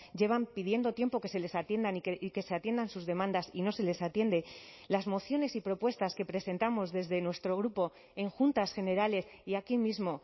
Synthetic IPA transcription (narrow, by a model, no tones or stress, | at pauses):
ɟ͡ʝe̞β̞ampiðje̞nd̪o̞t̪je̞mpo̞ke̞se̞le̞sat̪je̞nd̪anike̞seat̪je̞nd̪ansuzðe̞mãnd̪asino̞se̞le̞sat̪je̞nd̪e̞ | lazmo̞θjo̞ne̞sipɾo̞pwe̞st̪aske̞pɾe̞se̞nt̪amo̞zðe̞zðenwe̞st̪ɾo̞ɣ̞ɾupo̞ | e̞ŋxunt̪asxe̞ne̞ɾale̞siakimizmo̞